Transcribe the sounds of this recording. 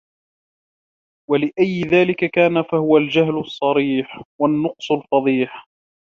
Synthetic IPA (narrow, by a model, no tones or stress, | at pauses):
walɪʔajːɪðaːlɪkakaːnafahʊwald͡ʒahlɑsˤːɑɾiːħwanːʊqsˤʊlfɑðˤiːħ